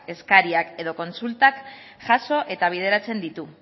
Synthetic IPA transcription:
e̞skaɾiake̞ðoko̞nsult̪ak | ʝaso̞ʔe̞t̪aβ̞ið̞e̞ɾat͡se̞nd̪it̪u

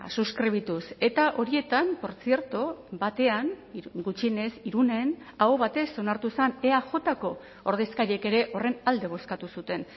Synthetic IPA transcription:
suskɾiβ̞it̪use̞t̪aʔo̞ɾie̞t̪ampo̞ɾt͡sie̞ɾt̪obat̪e̞anɡut͡ʃiene̞siɾune̞n | aoβat̪eso̞naɾt̪usaneaʝo̞t̪ako̞ | oɾðeskaɾie̞ke̞ɾe̞ʔo̞re̞nald̪e̞β̞o̞skat̪usut̪e̞n

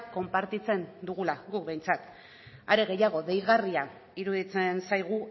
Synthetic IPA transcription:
ko̞mpaɾt̪it͡se̞nd̪uɣulaɣukbe̞jnt͡sat̪ | aɾe̞ɣ̞e̞jaɣ̞o̞ðe̞jɣaria | iɾuðit͡se̞nsajɣ̞u

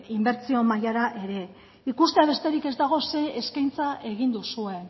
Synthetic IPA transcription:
imbe̞ɾt͡sio̞majaɾaʔe̞ɾe̞ | ikust̪eaβ̞e̞st̪e̞ɾike̞zd̪aɣ̞o̞se̞ːskajnt͡saʔe̞ɣ̞ind̪usue̞n

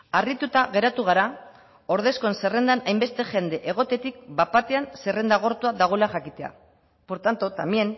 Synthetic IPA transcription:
arit̪ut̪aɣe̞ɾat̪uɣ̞aɾa | o̞ɾðe̞sko̞ense̞re̞nd̪anajmbe̞st̪e̞ʝe̞nd̪e̞ʔeɣ̞o̞t̪e̞t̪ik̚bapat̪e̞ansere̞nd̪aɣ̞o̞ɾt̪uaðaɣ̞o̞laʝakit̪e̞a̰ | po̞ɾt̪ant̪ot̪amie̞n

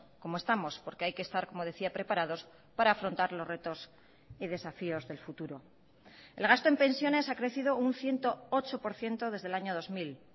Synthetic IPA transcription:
ko̞moe̞st̪amo̞spo̞ɾke̞ajkeːst̪aɾko̞mo̞ð̞e̞θiapɾe̞paɾað̞o̞s | paɾaːfɾont̪aɾlo̞zre̞t̪o̞s | ið̞e̞safio̞zðe̞lfut̪uɾo̞ | e̞̰lɣ̞ast̪o̞empẽ̞nsjo̞ne̞sakɾe̞θið̞o̞unθje̞nt̪o̞ot͡ʃo̞po̞ɾθje̞nt̪o̞ðe̞zðelaɲo̞ð̞o̞zmil

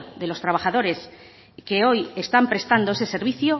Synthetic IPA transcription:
ðe̞lo̞st̪ɾaβ̞aχaðo̞ɾe̞s | ke̞o̞je̞st̪ampɾe̞st̪and̪o̞esese̞ɾβiθjo

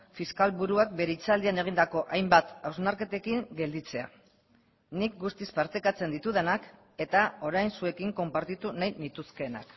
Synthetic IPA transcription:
fiskalβuɾuak̚be̞ɾeit͡sald̪iane̞ɣ̞ind̪ako̞ʔajmbat̪awznaɾke̞t̪e̞kiŋɡe̞ld̪it͡se̞a̰ | nik̚ɡust̪ispaɾt̪ekat͡se̞nd̪it̪uð̞e̞nak | e̞t̪ao̞ɾajnsue̞kiŋko̞mpaɾt̪it̪unajnit̪uske̞na̰k

